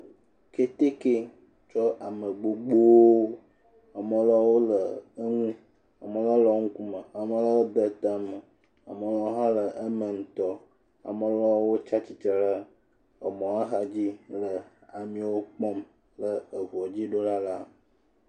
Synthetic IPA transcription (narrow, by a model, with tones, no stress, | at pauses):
ke˦t̪e˦ke˦ | t͡ʃɔ˦ʔa˨mə˨ɡ͡bo˨ɡ͡bo˦wo˦ | a˨mə̃˨lɔ˦wo˦lə˨ə˦ŋũ˦ | a˨mə̃˨˦lɔ˦lɔ˨˦ŋũ˦ku˦mə˨a˨mə̃˨lɔ˦wo˦d̪ə˦t̪a˦mə˨ | a˨mə˨lɔ˦o˦ɦã˦lə˨ʔə˦mə˨ŋ̩˨t̪ɔ˦ | a̰˨mə̃˨lɔ˦wo˦t͡ʃa˦t͡ɕi˨t͡ʃə˨ɖa˦ | ə˨mɔ̃˨a˦ɦa˨d͡ʑi˦lə˨a˨mĩ˨wo˦k͡pɔ˦m | lə˨ə˨vɔ˨d͡ʑi˦ɖo˦ɖa˦la˦